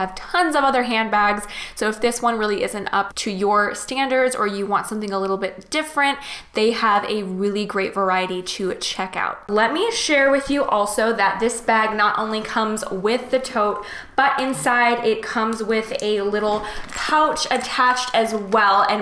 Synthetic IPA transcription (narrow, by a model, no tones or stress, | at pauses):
ɨv̥tʰʌ̃nzʌvʌðə˞ɦæ̃nbæɡz̥soʊɨfðɪswʌ̃nɹɪlˠiʔɪzɨ̃ntʌ̰p̚tʰɨjə˞stæ̃ndə˞dzə˞jɨwɑ̃ntsʌ̃mθɪ̃ŋəlɪɾl̩ˠbɪt̚d̥ɪfɹɨ̃nðeɪəvɨɹɪlˠiɡɹeɪtvə˞aɪɨɾiɾɨt͡ʃʰɛka̰ʊt̚lɛt̚miʃɛɹwɪðjɨʔɔlˠsoʊðɨt̪̚ðɪsb̥æɡ̚nəɾʔõ̰ʊ̃nlikʰʌ̃mzwɪðɨtʰoʊt̚ | b̥ʌɾʔɪ̃nsaɪɾɪt̚kʰʌ̃mzwɪðɨlɪɾl̩ˠkʰaʊt͡ʃɨtʰæt͡ʃtʰɨzwɛlˠɨ̃n